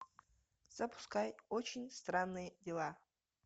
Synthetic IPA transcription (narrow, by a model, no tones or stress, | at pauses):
z̥ɐpʰʊ̥skajot͡ʃʰenʲst̪ranːɨjədʲelˠa